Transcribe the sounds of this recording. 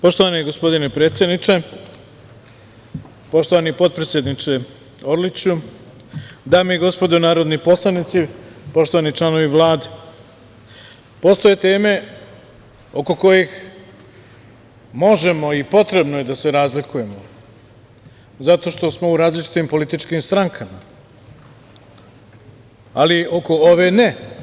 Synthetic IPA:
po̞ʃt̪oʋaniɡo̞spo̞d̪inepɾe̞ːt̪sjed̪nit͡ʃe̞ | po̞ʃt̪oʋanipo̞t̪̚pɾe̞t̪sʲjed̪nit͡ʂe̞ | o̞ɾlit͡ɕu | d̪aːmiiɡo̞spo̞d̪onaːɾo̞d̪nipo̞slˠanit̪sipo̞ʃt̪oanit͡ʂlˠano̞ʋiʋlˠaːd̪e | po̞st̪oje̞t̪e̞ːme̞ | oko̞ko̞jex | mo̞ʒe̞mo̞ipo̞t̪ɾe̞bnoje̞d̪ase̞ɾaːzlikuje̞mo̞ | zat̪o̞ʃt̪o̞smo̞uɾaːzlit͡ʃi̥t̪impo̞lit̪it͡ʃkimst̪ɾaŋkʰama | alio̞ko̞oʋe̞ne

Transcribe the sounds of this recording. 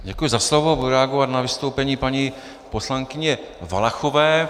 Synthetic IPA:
ɟɛkujɪzaslovo̞ɾɛaɡovat̪navɪst̪owpɛɲiːpaɲi | po̞slaŋkɪɲɛ | va̰laxovɛː

